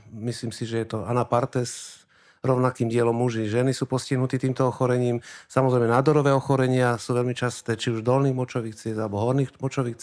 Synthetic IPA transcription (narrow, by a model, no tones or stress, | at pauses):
misliːmsiʒɛjɛt̪ɔanapaɾt̪ɛs | ɾɔʊnakiːmɟɪɛlɔmːuʒiʒɛnisuːpɔsciɦnut̪iːt̪iːmt̪ɔɔxɔɾɛɲiːmsamɔzɾɛjmɛnaːd̪ɔɾɔʋɛːɔxɔɾɛɲɪasuːʋɛlmit͡ʃast̪ɛːt͡ʃiuʒd̪ɔlniːɣmɔt͡ʃɔʋiːxt͡sɪɛzalɛbɔɦɔɾniːmɔt͡ʃɔʋiːxt͡s